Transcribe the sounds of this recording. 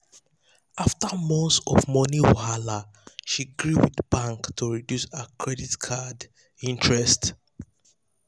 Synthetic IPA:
aftamɔ̃nsɔ̰vmɔnio̰hala | ʃiɡɹuwidbãŋktʰuɹidjusakʰɹɛditkʰad | ĩntʰɹɛst

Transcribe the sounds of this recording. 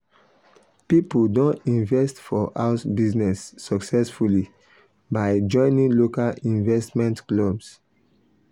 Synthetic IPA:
pipudõnĩnvɛstfɔʔaʊsbiznɛsːɔksɛsfuli | baɪd͡ʒɔ̃ɪ̃nĩŋlokalĩnvɛstmɛ̃ntklɔbs

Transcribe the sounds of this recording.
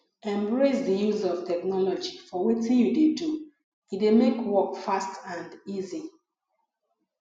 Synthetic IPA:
ɛ̃mbɹesdəjuzɔvtɛknɔlɔd͡ʒifɔwetĩnjudedu | idemekwɔkfastãndizi

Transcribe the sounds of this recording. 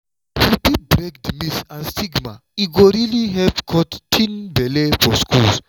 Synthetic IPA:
hibibɾekdmisãnstiɡma | iɡoɾiliɦɛvkʰɔttʰːĩnbɛlefɔskʰuls

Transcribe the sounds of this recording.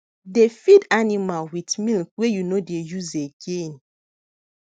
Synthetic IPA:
defidanimalwitmilkwejunodejuzeɡẽn

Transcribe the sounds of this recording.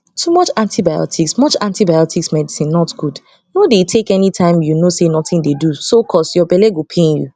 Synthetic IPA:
tʰumɔt͡ʃãntibajɔ̰tʰiksmɔt͡ʃãntibajɔtʰiksmɛdisĩnːɔtɡ̥ud | nodetʰekɛnitʰãɪ̃mjunosenɔtĩndedusokʰɔsjɔbɛlɛɡopʰẽnjṵ

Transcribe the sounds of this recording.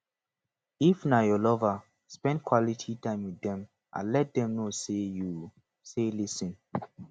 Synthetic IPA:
ifnajɔlɔva | spɛ̃ndkʰwɔlitʰitãɪ̃mwitːɛ̃m | ʔã̰nlɛt̚d̪ɛ̃mnoseju | selisĩn

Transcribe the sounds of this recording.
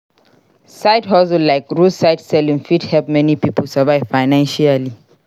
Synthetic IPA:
saɪdhɔzəllaɪkɹusaɪdsɛlĩnfidhɛlp̚mɛnipipʰəlsavaɪvfaɪnãnʃiali

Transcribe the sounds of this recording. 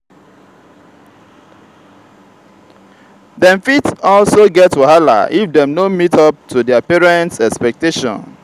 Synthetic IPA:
dɛ̃ɱfitɔlsoɡɛtːuɦala̰ʔifdɛ̃mdõnmitɔp̚tʰudɛapɛɹɛ̃ntsɛkspɛk̚teʃɔ̰̃n

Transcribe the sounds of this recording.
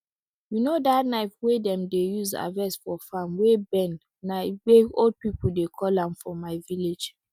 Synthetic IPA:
junodatnaɪfwedɛ̃mdejuza̰vɛsfɔfãmwebɛ̃n | naweod̚pipul̩dekʰɔlãmfɔmaɪviled͡ʒ

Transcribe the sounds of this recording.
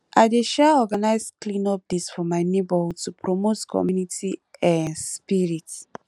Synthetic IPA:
ʔaɪdeʃɛɔɡanaɪsklĩnɔp̚disfɔmaɪnebɔhudtupʰɹɔmotkʰɔ̰mjunitiɛ̃nspiɹit

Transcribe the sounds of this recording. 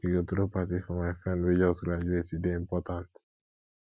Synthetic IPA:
iɡot̪ɾopatifɔmajfɛ̃nwid͡ʒasɡɾad͡ʒuetideĩmpɔtãnt

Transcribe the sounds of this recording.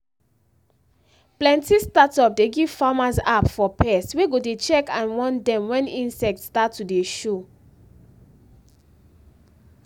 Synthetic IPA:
plɛ̃ntistatɔp̚deɡiv̥famasapfɔpɛsweɡodet͡ʃɛkãnwɔ̃ndɛ̃mwɛ̃nĩnsɛk̚tstatːudeʃo

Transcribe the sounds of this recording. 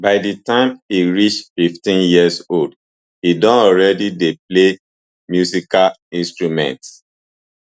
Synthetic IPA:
baɪditãɪ̃miɹit͡ʃfiftĩnjiəsold | idɔ̃nɔɹɛdidep̚le | mjusikalĩnstɹumɛ̰̃nt

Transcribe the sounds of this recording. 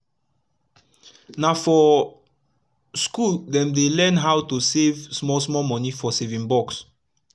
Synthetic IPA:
nafɔ | skuldɛ̃mdelɛ̃nɦawtusevsmɔsmɔmɔ̃nifɔsevĩŋbɔks

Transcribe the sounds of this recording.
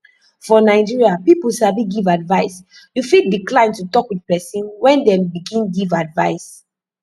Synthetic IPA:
fɔnaɪd͡ʒiɹiapipulsabiɡivadvaɪs | jufidiklãɪ̃ntutɔkwidpɛsĩnwɛ̃ndɛ̃mbiɡĩnɡivadvaɪs

